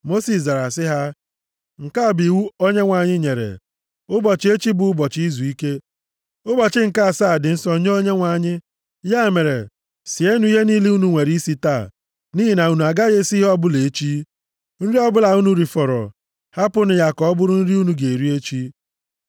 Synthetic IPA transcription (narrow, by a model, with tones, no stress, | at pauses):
mo˦si˨sza˨ɾa˨sɪ˦ɦa˦ | ŋ̩˨ka˦˨bi˨wu˦o˦ɲe˦ŋʷa˨ɲɪ˦ɲe˨ɾḛ˨ | ʊ˦bɔ˨t͡ʃi˦e˦t͡ʃi˦bʊ˨˦bɔ˨t͡ʃi˦zu˨i˦ke˦ | ʊ˦bɔ˨t͡ʃɪ˦ŋ̩˨ka˦˨saː˦˨dɪ˨n̩˦sɔ˦ɲe˦o˦ɲe˦ŋʷa˨ɲɪ˦ | ja˦e˨me˨ɾḛ˨ | si˨e˦nu˦i˦ɦe˦niː˦li˦u˦nu˨ŋʷe˨ɾi˦si˦taː˦˨ | niː˦ɦi˨na˨u˦nu˨a˨ɡa˦ɣe˦si˦ɦe˦ɔ˦bʊ˦le˨˦t͡ʃi˦ | n̩˦ɾi˦ɔ˦bʊ˦la˨u˦nu˦ɾi˨fɔ˨ɾɔ̰˨ | ha˦pʊ˦nʊ˨ja˦˨kɔ˦bʊ˦ɾʊ˦n̩˦ɾi˦u˦nu˨ɡe˨ɾi˦e˦t͡ʃi˦